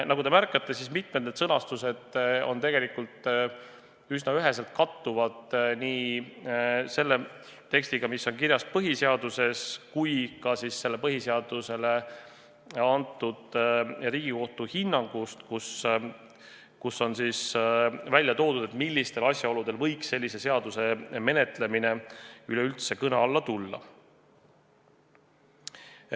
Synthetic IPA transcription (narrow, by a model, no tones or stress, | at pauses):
nɑɡud̪e̞mærkːˑɑt̪ːˑe̞sismit̪̚me̞t̪ned̪sɤnɑst̪use̞d̪̥o̞̰nt̪e̞ɡe̞likult̪ˑ | ysnɑyɦe̞selt̪̚kɑt̪ːuvɑd̪niː | se̞lːe̞ | t̪eksʲt̪iɡ̥ɑmisːo̞nkiɾjɑspɤɦiseɑd̪̥use̞skujkɑsisːe̞lːe̞pɤɦiseɑd̪̥use̞le̞ | ɑnt̪ˑːud̪riːɡ̥iko̞ht̪uhinːɑŋɡ̥ust̪kus | kusːo̞nsiːsvælʲjɑt̪o̞ːd̪ud̪et̪milʲːist̪e̞lɑsʲjɑo̞lud̪e̞lvɤ̞jksːe̞lʲːise̞se̞ɑd̪̥use̞me̞net̪ˑle̞mine̞ylɛylt̪se̞kɤnɑɑlːɑt̪ulːɑ̰